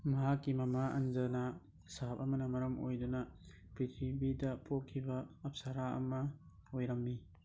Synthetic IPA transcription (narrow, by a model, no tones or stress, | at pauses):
mɐɦakːimɐmaʔɐ̰nzɐnɐ | sapɐmɐnɐmɐɾɐmojdunɐ | pɾitʰibidɐpʰokʰːibɐːp̚saɾaɐ̰mɐ | ojɾɐmːi